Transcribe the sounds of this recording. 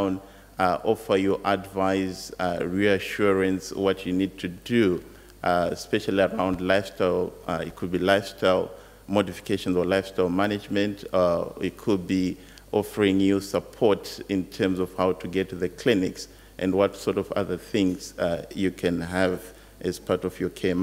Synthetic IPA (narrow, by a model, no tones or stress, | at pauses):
n | ʔɔfə˞jəʔədvaɪzɹiəʃuɹɨ̃nswʌt͡ʃɨnid̚tʰɨdu | spɛʃl̩ˠiəɹãʊ̃ndlaɪfstaɪlˠɪ̰t̚kʰɨd̚bilaɪfstʰaɪlˠ | mɔdifi̥kʰeʃə̃nzəlaɪfstaɪlˠmænɨd͡ʒmɨ̃ntɪt̚kʰud̚bi | ʔɔfə˞ɪ̃ŋjusəpʰɔɹtɪ̃ntʰɜ˞mzɔv̥haʊtʰuɡɛtʰuðɨkʰl̥ɪnɪks | ʔɨ̰̃ndwɔtsɔɹɾɔvʌ̰ðə˞θɪ̃ŋz̥jɨkʰɨ̃nɦɨv | ʔɨz̥pʰaɹɾɔvjɔ˞kʰem